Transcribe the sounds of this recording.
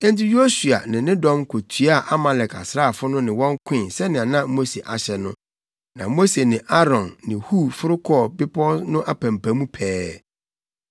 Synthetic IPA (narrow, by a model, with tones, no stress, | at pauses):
ɛ̃˦n˦tɪ˦jo˦su˨a̰˨nɪ̃˨nɪ̃˦dɔ̃˦mkʰo˨tʰɥa˦˨ʔa˦ma˨lɛ˨ka̰˨sɾa˦˨fʊ˦nʊ̃˦nɪ̃˨wɔ̃˦ŋ˦kʰɪ̃˦˨sɛ˦nɪ̃˨a˨nã˦mo˦se˨ʔa˨ɕɛ˨nʊ̃˦ | nã̰˨mo˦se˨nɪ̃˨ʔa˦ɾɔ̃˨nːɪ̃˨hu˦˨fʊ˦ɾʊ˦kʰɔ˦˨bɪ˦pʰɔ˦nʊ̃˦ʔa˨pʰæ̃˨mpʰæ̃˨mũ˦pʰɛː˦